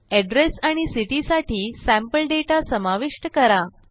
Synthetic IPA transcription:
ɛɖɾesaɽ̃isiʈisaʈʰiːsæ̃mpəlɖeʈasəmaʋiʂʈəkəɾa

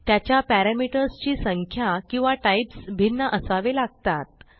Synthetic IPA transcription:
t̪jat͡ɕjapæɾamiʈəɾst͡ɕiːsəŋkʰjakĩw̃ʋaʈaipsbʱinːəʔəsaʋelaɡ̚t̪at̪̚

